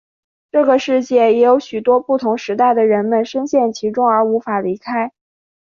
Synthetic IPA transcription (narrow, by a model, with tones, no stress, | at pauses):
ʈ͡ʂɤ˥˩ɡə˩ʂɻ̩˥˧t͡ɕjɛ˥˩jɛ˧˥jo˧˥ʊɕy˨˩t̪wɔ˥pu˥˩t̪ʰʊ˧˥ŋʂɻ̩˧˥t̪a˥˩ɪd̪ə˩ɻə˧˥nmə˨nʂə˥nɕjɛ˥˩nt͡ɕʰi˧˥ʈ͡ʂʊ˥ŋə˞˧˥u˧˥fa˨˩li˧˥kʰa˥ɪ